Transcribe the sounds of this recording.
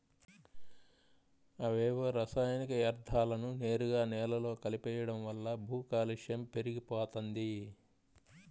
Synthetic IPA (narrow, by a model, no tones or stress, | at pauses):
ɐʋeːʋɐɾɐsaːjnikɐjɐɾd̪ʱʰːaːlɐnune̞ːɾuɡaːnɛːlɐlo̞ːkɐlipɛːjɐɽɐmʋɐlːɐbʱuːkaːliʂjɐmpe̞ɾiɡipɔːt̪ond̪i